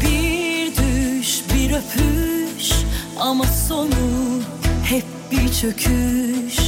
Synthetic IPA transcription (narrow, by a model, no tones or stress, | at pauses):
b̥iɾd̪yʃbiɾøfʰyʃ | amaso̞nu | t̪ʰɛp̚b̥it͡ʃʰø̞kʰyʃ